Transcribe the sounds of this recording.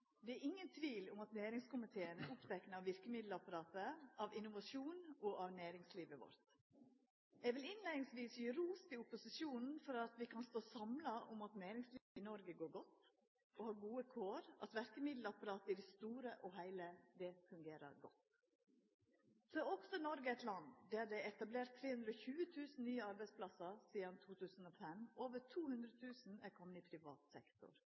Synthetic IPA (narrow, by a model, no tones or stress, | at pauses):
d̪ɛæɾɪŋːənt̪ʰʋiːlʊmɑt̪næːɾɪŋskʊmɪt̪ʰeːənəʔʊpt̪ʰɛknəɑʋɪɾkəmɪd̪lɑpɑɾɑːt̪əʔɑʋɪnʊʋɑʂuːnɔʔɑʋnæːɾɪŋsliːʋəʋɔ̰ɾt̪ | ɛʋɪlɪnleːɪnɪŋsʋiːsjyːɾuːst̪ɪʊpʊsɪʂjuːnn̩fɔɾɑt̪ʋɪkʰɑnst̪oːsɑmlɑʔʊmɑt̪næːɾɪŋsliːʋɪnɔɾɡəɡoːɾɡɔt̪ː | ɔhɑːɾɡuːəkʰoːɾɑ̰t̪ʋæɾkəmɪd̪l̩ɑpɑɾɑːt̪ɪd̪ɛst̪uːɾəʔɔɦæɪləd̪ɛfʉŋɡeːɾə̰ɾɡɔ̰t̪ː | sɔɛɔksɔnɔɾɡəɛt̪lɑnd̪æɖ̪ɛɛt̪ɑbleːɾt̪ʰːɾeːhʉnd̪ɾəɔçʉːət̪ʰʉːsn̩nyːəɑɾbæɪspʰlɑsəɾsiːd̪ɑnt̪ʰuːt̪ʰʉːsn̩ɔfɛmoːʋət̪ʰuːhʉnd̪ɾət̪ʰʉːsn̩æɾkʰɔmːəɪpʰɾɪʋɑ̰ːt̪sɛkt̪ʊ̰ɾ